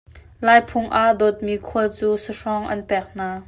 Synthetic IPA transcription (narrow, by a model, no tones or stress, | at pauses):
laːjpʰʊŋʔaʔdɔt̪̚miːkʰuət͡suːsəʂɔŋʔɐ̰npɛk̚n̥aː